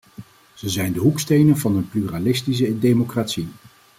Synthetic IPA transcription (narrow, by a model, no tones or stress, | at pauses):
z̥əzɛjndəɦukstejnənvɑnənplyralɪstis̬ədejmokraːtsi